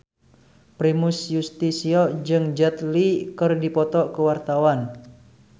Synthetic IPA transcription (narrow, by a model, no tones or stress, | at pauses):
pɾimusjust̪isiɔd͡ʒɨŋd͡ʒət̪likɨrdipɔt̪ɔʔkəwart̪awan